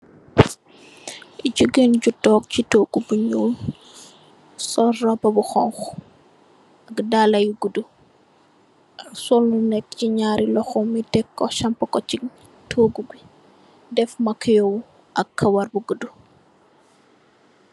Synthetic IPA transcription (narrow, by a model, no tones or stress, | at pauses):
ɟuɡenɟutɔːk̚citoːɡubuɲuːl | sɔrɐbɐbuxɔŋx | ɐkdaːlɐjuɡudu | ʔɐksɔlnunɛk̚ːciɲaːɾilɔxɔmitɛkːɔʃɐmpɐkɔt͡ʃi | tʰoɡuɡwi | dɛfmɐkijɔw | ʔɐkːɐwɐrbuɡudu